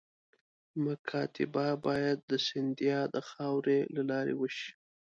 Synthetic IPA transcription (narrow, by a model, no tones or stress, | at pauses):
mʊkʰɑt̪ɪbabɑjad̪̚ːəsɪnd̪ijɑd̪əxɑwɾelalɑɾḛwəʃi̥